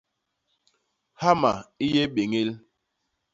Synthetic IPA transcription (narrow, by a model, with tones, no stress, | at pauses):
ha˦ma˨i˦je˦ɓe˨ŋe˦l